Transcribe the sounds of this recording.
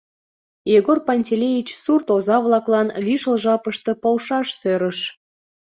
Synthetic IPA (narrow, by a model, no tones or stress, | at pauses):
jeɣorpɑnʲtʲelʲejit͡ɕsurt̪ozɑβlˠɑklɑnlʲiʃəlˠʒɑpəʃt̪ə̆polʃɑʃsøɾəʃ